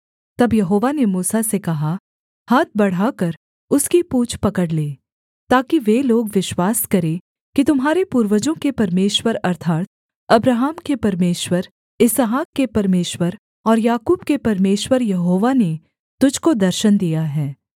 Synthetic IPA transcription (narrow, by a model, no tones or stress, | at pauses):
t̪ɐbjɐɦoːʋanemuːsasekɐɦa | haːt̪̚ʰbɐɽ̤akɐɾ | ʊskipuːt͡ʃʰpɐkəɽleː | t̪aːkiʋeloːɡʋɪʃwaːskɐɾe | kit̪ʊmɦaːɾepuːɾwəd͡ʒõkepɐɾmeːʃwəɾɐɾt̪ʰaːt̪̚ | ɐbɾaɦaːmkepɐɾmeːʃwəɾ | ɪsɦaːkːepɐɾmeːʃwəɾ | ɔːɾjaːkuːbkepɐɾmeːʃwəɾjɐɦoːʋane | t̪ʊd͡ʒkod̪ɐɾʃənd̪ijaɦɛː